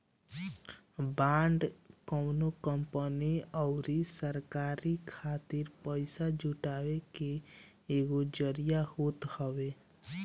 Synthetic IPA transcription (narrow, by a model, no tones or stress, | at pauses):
baːɳɖkəʊnokəmpəniɔʊɾisəɾkaːɾikʰaːt̪iɾpəɪsad͡ʒuʈaːwekeː | ɡod͡ʒəɾijahoːt̪həʋe